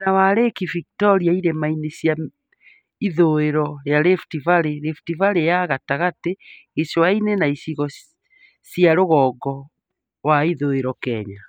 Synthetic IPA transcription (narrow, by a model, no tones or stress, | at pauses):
nawaɾekiviktɔɾiaiɾemainesja | iðoeɾɔɾeaɾeftivaɾeɾeftivaɾejaɣataɣateː | sowainenaisiɣɔ | sjaɾoɣɔːɡɔ | waiðoeɾɔkɛɲa